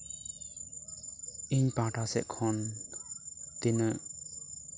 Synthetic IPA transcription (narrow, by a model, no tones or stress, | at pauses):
ʔiɲpaʈasɛ̰ʔkʰɔn | t̪inəʔ